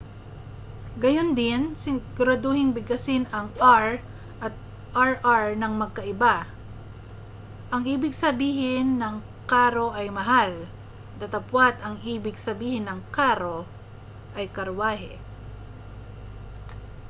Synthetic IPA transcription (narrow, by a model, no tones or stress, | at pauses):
ɡɐjond̪ɪnsɪɡʊɾɐd̪ohɪŋbɪɡɐsɪnɐŋaɹ | ʔɐt̪̚ | ʔaɹʔaɹnɐŋmɐɡ̚kɐʔɪba | ʔɐŋiːbɪɡsɐbiːhɪnːɐŋ | kaːɾo̞ʔɐjmɐɦal | d̪ɐt̪ɐpwat̪ɐŋʔiːbɪɡ̚sɐbiːhɪnːɐŋkaːɾo̞ | ʔɐjkɐɾwaːɦɛ̰